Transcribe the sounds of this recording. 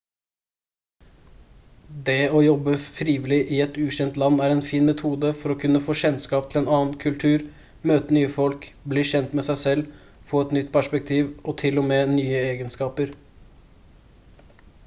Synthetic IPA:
d̪ɛɔjɔbːəfɾiːʋɪlɪʔɪɛt̪ʉːɕɛnt̪lɑnːæɾɛnfiːnmɛt̪ʰuːd̪əfɔɾɔkʰʉnːəfoːɕɛnskɑːp̚t̪ʰɪlɛːnɑːnkʰʉlt̪ʰʉːɾ | møːt̪ənyːəfɔlkbliːɕɛnt̪mɛsæɪsɛlː | foːɛt̪nʏt̪ːpʰæʂpɛk̚t̪ʰiːʋɔt̪ʰɪlɔmeːnyːəeːɡənskɑːpəɾ

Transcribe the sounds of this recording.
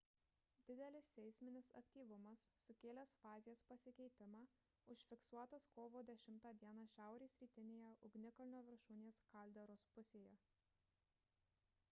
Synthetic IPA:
d̪ʲɪd̪ʲɛlʲɪsːʲɛɪsʲmʲɪnʲɪsɐ̰kʲt̪ʲiːʋʊmɐsːʊkʲeːlʲɛsfɑːzʲɪjɛspɐsʲɪkʲɛɪt̪ʲɪmɑː | ʊʃʲfʲɪksuɔt̪ɐskoːʋoːd̪ʲɛʃʲɪmt̪ɑːd̪ʲiɛnɑːʃʲæˑʊɾʲeːsɾʲiːt̪ʲɪnʲeːjɛʔʊɡnʲɪkɐlʲɪnʲoːʋʲɪɾʃuːnʲeːskɐlʲd̪ʲɛɾoːspʊsʲeːjɛ

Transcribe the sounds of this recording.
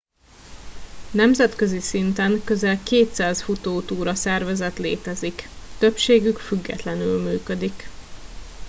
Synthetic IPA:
nɛmzɛt̪kø̞zisint̪ɛŋkø̞zɛlkeːt̪saːsfut̪oːt̪uːɾɒsɛrvɛzɛt̪lḛːt̪ɛzikt̪ø̞pʃeːɡykfyɡːɛ̰t̪lɛnylmyːkød̪ik

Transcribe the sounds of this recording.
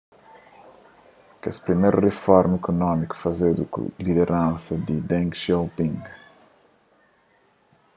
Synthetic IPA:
kḛspɾimejɾurefɔɾmekunɔmiku̥fɐzed̪ṵkṵliðeɾʔãnsɐd̪ɪd̪ɛ̃ŋkʃowpĩŋɡ

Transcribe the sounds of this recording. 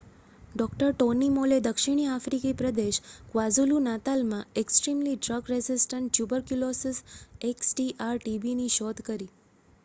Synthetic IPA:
ɖɔkʈəɾʈonimoled̪əkʃiɽ̃iafɾikipɾəd̪eʃkʋazulunat̪almãeksʈɾimliɖɾəɡɾezɪsʈəɳʈ̚t͡ʃjubəɾkjulosɪseksʈiʔaɾʈibiniʃɔd̪kəɾi

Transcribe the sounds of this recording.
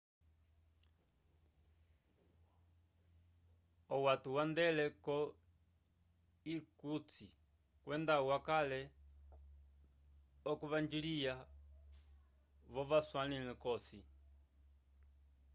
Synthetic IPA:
ɔwatuwandɛlɛkɔ | ikut͡si | kwʔɛndawakalɛ | ɔkuβand͡ʒilija | βɔβaswanilɛkɔsi

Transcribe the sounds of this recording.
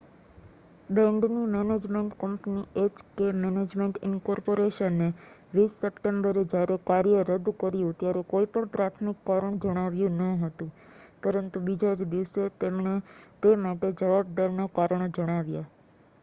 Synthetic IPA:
ɖəɳɖnũnɛned͡ʒmeɳʈkəmpniet͡ʃkemened͡ʒmeɳʈɪnkɔɾpoɾeʃənːe | ɾisəʈeɳɖəɾed͡ʒaɾekaɾjəɾəd̪kəɾjũt̪jaɾekoipəɳpɾat̪ʰmikːaɾəɳd͡ʒəɽ̃aʋjũnəɦət̪ũ | pəɾənt̪ubid͡ʒad͡ʒd̪iʋse | t̪emaʈed͡ʒəʋab̚d̪əɾnakaɾəɳ̃ed͡ʒəɽ̃aʋja

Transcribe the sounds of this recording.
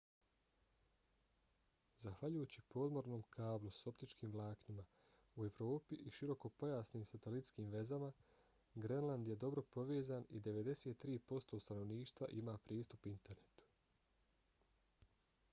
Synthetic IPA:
zaxʋaʎujut͡ɕipo̞ːd̪mo̞ɾno̞ːmkʰaːblˠuso̞pt̪it͡ʃkiːmʋlˠaːknima | ue̞ʋɾo̞ːpiʔiʃiɾo̞ko̞po̞jaːsniːmsat̪e̞lit̪skiːmʋe̞zama | ɡɾenland̪je̞d̪o̞bɾo̞po̞ʋeːzaːnid̪e̞ʋe̞d̪e̞set̪ːɾiːpo̞st̪o̞ːst̪ano̞ʋniːʃt̪ʋa̰ʔimaːpɾiːst̪upint̪e̞ɾne̞t̪u̥

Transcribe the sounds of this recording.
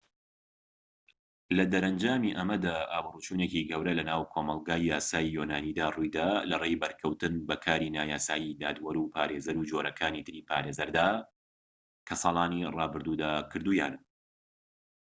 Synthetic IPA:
lɐd̪ɐɾɐnd͡ʒaːmiʔɐmɐd̪aːʔaːmruːt͡ʃuːneciɡɐwɾɐlɐnaːwkʰoːmɐlˠɡaːjjaːsaːjijonaːniːd̪aːrujd̪aːlɐrejbɐɾkʰɐwt̪ɨnbɐkʰaːɾiːnaːjaːsaːjid̪aːd̪wɐɾupʰaːɾeːzɐɾud͡ʒoːɾɐkʰaːnit̪ʰɨɾiːpʰaːɾeːzɐɾd̪aː | kʰɐsɑːlˠɑːnirɑːbɨɾd̪ud̪aːkʰɨɾd̪ujaːnɐ

